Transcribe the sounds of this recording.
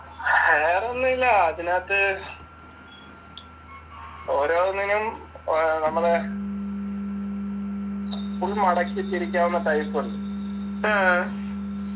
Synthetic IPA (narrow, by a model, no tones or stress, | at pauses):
eːronːuilːɐɐðinaːt̪ːɨ | oːɾo̞ːnːinum | nɐmːɐɭe | puɭmɐɽɐkːitːiɾikʲːaːmunːɐt̪ɐjpːuɳɖu